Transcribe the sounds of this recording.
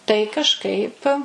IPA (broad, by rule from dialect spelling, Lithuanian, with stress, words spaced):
tɐɪ kɐʃˈkɐɪp